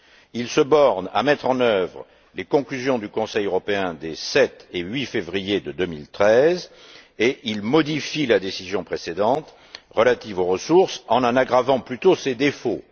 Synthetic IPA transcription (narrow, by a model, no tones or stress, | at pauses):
ilsəbɔʁna̰mɛt̪χɑ̃nœvʁ | lekɔ̃klyzjɔ̃d̪ykɔ̃sɛjøʁɔpeɛ̃d̪esɛt̪eɥifevʁijed̪əd̪ømilt̪χɛzeʔilmɔd̪ifilad̪esizjɔ̃pχesed̪ɑ̃t̪ | ʁəlat̪ivoʁəsuʁsɑ̃nɑ̃naɡʁavɑ̃plyt̪osed̪efo